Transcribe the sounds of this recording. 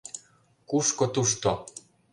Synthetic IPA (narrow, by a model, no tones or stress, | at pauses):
kuʃkot̪uʃt̪o